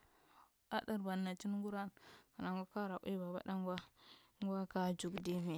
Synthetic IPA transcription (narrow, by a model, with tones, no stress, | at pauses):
a˦da˨ɾba˨nːa˨t͡ʃi˦n˦ŋɡu˦ɾa˦nka˨na˨ŋɡʷa˦ka˦ɾa˨ʔi˦ba˨ba̰˦da˦ŋ˦ɡʷa˦ | ŋɡʷa˦ka˦d͡ʒu˨ɡdi˦mi˨